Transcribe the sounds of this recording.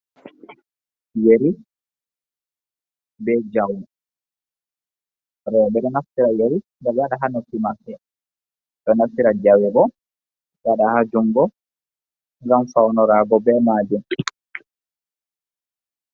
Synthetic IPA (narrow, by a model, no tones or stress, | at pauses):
jeɾi | bɛd͡ʒaw | ɾɛbɛɗɔnafːiɾajeɾi | ɡajaɗaɦanɔkimasɛ | ɗɔnafiɾad͡ʒawibɔ | jaɗahad͡ʒuŋɡɔ | ŋɡamfawnɔɾaɡɔbɛmad͡ʒum